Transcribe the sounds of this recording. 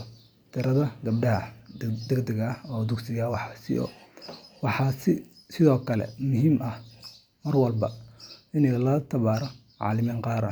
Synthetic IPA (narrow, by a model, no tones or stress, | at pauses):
t̪ʰɪɾɐðɐɡɐbɖɐɦɐd̪ɛɡd̪ɛɣɐhɔːd̪ʊɡsɪɣawɑħɑːsɪ̰ʔɔ̰ːwɑħɑːsɪ | sɪðɔːkʰɐlɛ̰mʊɦiːmʔɐh | mɐrwɐlbɐɪnɛlɐlɐt̪ʰɐβaːɾɔ | ʕɑ̰ːlɪmiːŋqɑːɾɐ̰